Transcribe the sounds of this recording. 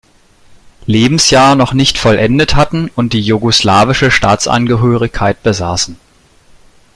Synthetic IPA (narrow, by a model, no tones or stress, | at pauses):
leːbm̩sjaːɐnɔχnɪçtfɔlʔɛndəthatn̩ʊnt̚d̥iːjuɡoslaːvɪʃəʃtaːt͡sʔa̰nɡəɦøːʁɪçkʰːaɪt̚b̥əzaːsn̩